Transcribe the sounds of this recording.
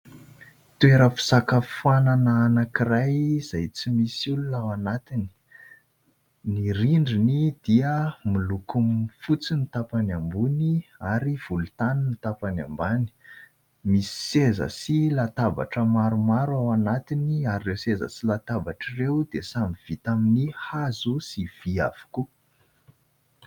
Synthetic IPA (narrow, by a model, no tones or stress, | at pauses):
t̪ueɾəfi̥sakəfananaːnakirajz̥ajt͡simisulunawanat̪ini̥ | niɾiɳɖ͡ʐinid̪̥iəmilukumfut͡sinit̪apanambuniaɾiv̥ulut̪aninit̪apana̰mbani̥ | misi̥sezə̰silat̪aba̰ʈ͡ʂəmaɾumaɾuawanat̪iniaɾirewsezə̰silat̪avaʈ͡ʂirewd̪esamiv̥it̪aminihazusiv̥ia̰v̥u̥ku